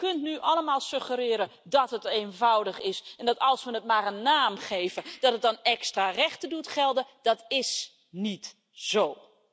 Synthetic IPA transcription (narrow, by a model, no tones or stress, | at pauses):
kɵntnyʔɑləmaːlˠsɵχəɾɪːɾədɑtɦətejnvʌwdəχɪsɛndɑtɑlˠsʋənət̚maːɾənːaːmχejvəd̥ɑtɦət̚dɑnɛkstraːrɛχtədutχɛlˠdəd̥ɑtɪs | nit | z̥ow